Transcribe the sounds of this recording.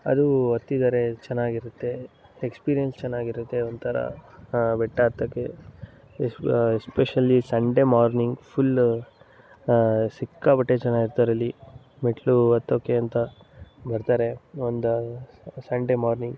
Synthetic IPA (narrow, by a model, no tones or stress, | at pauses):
ɐ̰d̪uot̪ːid̪aːɾe̞t͡ʃɛnːaːɡiɾut̪ːe̞ekspiːɾijɐnst͡ʃɛnːaːɡiɾut̪ːe̞ond̪t̪ʰɐɾɐ̰bɛʈːɐːt̪ːɐkːe | sespeʃɐlːisɐɳɖe̞maːɾniŋɡpʰul | sikːabɐʈːet͡ʃɛnːaːɡiɾt̪aːɾɐlːi | meʈʰluɐt̪ːoːkeɐnt̪ɐ | bɐɾt̪aːɾe̞ond̪ | sɐɳɖemaːɾniŋɡ